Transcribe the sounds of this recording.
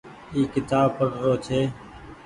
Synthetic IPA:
iːkɪt̪aːb̚pəɾːoːt͡ʃʰeː

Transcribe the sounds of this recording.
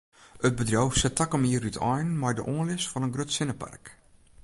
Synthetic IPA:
ət̚bədrowfsɛtakəmiərytʰɔjnmajdə̰ʔoːnlɪsfɔnənɡrøtsɪnəpʰa̰rk

